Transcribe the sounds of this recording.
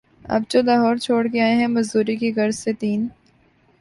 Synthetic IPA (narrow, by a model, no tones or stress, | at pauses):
ɐ̰b̚t͡ʃolaːɦɔːɾt͡ʃʰoːɽkeaːeɦɛ̃mɐzd̪uːɾikiɡɐɾzset̪iːn